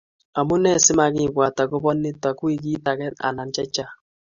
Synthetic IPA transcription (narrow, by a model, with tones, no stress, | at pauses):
a˨mʊ˦nɛ˦˨sɪ˦ma˨kɪ˦kwa˨ta˨kʊ˦bɔ˦nɪ˦ta˨kwi˦˨ki˦ta˨kɛ˦na̰˨na˨nt͡ʃɛ˦t͡ʃa˦